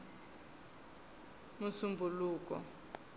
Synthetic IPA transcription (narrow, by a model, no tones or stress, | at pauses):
musumbʱuluːkʼɔ̰